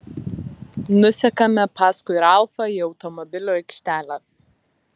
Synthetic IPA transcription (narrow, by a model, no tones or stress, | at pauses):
nʊsʲɛkɐmʲɛpɑːskʊɪɾɑˑlˠfɐiɒʊt̪ɔmɔbʲɪlʲoːɛɪkʲʃʲt̪ʲæːlʲɛ